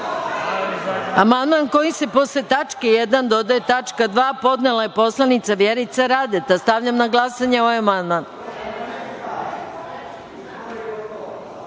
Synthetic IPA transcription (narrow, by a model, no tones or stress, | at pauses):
amand̪manko̞jise̞po̞slet̪at͡ʃkejed̪and̪o̞d̪aet̪at͡ʃkad̪ʋaːpo̞d̪nelˠajepo̞slˠanit̪saʋjeɾit̪saɾad̪et̪ast̪aʋʎamnaɡlˠasaɲeoʋajamand̪man